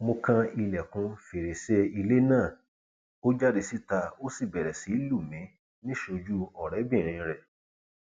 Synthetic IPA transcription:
mo˧kã˦i˧lɛ˨kũ˧fe˨ɾe˨se˧i˧le˦nãː˦˨ | o˦d͡ʒa˦di˧si˦ta˧o˦si˦˨bɛ˨ɾɛ˨si˨˦lu˦˨mɛ̃˨˦ | nĩ˦ʃo˧d͡ʒu˦ɔ˨ɾɛ˨˦bĩ˦˨ɾ̃ĩ˧ɾɛ˨

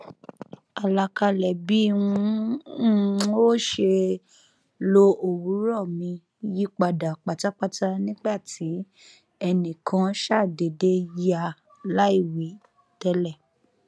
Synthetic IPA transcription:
a˨la˧ka˧lɛ˨bi˨˦wũ˧˦ | o˦ʃe˧ | lo˧o˨wu˨˦ɾɔ˦˨mĩ˧ | ji˦k͡pa˧da˨k͡pa˨ta˨˦k͡pa˦ta˧nĩ˦ɡ͡ba˦˨ti˨˦ | ɛ˧nĩ˨kʰã˧ʃa˦˨de˨de˧ja˧˨ | la˦i˦˨wi˨˦ | tɛ˧lɛ˦˨

